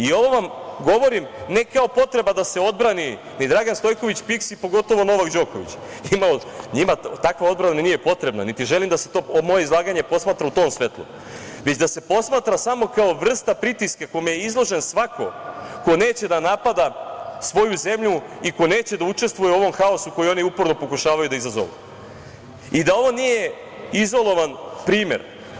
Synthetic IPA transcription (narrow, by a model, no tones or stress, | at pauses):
io̞ʋoʋamɡo̞ʋo̞ɾimne̞kao̞po̞t̪ɾe̞bad̪ase̞o̞d̪̚bɾani | nid̪ɾaɡanst̪o̞jko̞ʋit͡ɕpiksipo̞ɡo̞t̪o̞ʋo̞no̞ʋakd͡ʑo̞ko̞ʋḭt͡ɕ | imaoɲimat̪akʋao̞d̪̚bɾanannije̞po̞t̪ɾe̞bna̰nit̪iʒelimd̪ase̞t̪oːmo̞je̞izlˠaːɡaɲe̞po̞smaːt̪ɾaut̪o̞ːmsʋe̞t̪lˠṵ | ʋe̞t͡ɕd̪ase̞po̞smaːt̪ɾasamo̞kao̞ʋr̩st̪apɾit̪iskakomejeizlˠo̞ʒensʋako̞̰ko̞ne̞ːt͡ɕe̞d̪anapad̪asʋo̞juze̞mʎuiko̞ne̞ːt͡ɕe̞d̪aut͡ʂest̪ʋujeuo̞ʋo̞mxao̞suko̞jio̞niupo̞ɾno̞po̞kuʃaːʋajud̪aizazo̰ʋṵ | id̪ao̞ʋo̞nije̞ | izo̞lˠo̞ʋanpɾiːme̞̰ɾ